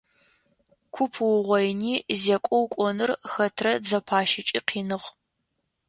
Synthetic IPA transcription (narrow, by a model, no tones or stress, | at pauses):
kʷʰʊpʰwʊʁʷɔjniːzekʷʼɔwkʷʼɔnɨrxɐtʰrɐd͡zɐpʰaːʃɪt͡ʃʼiːqʰiːnɨʁ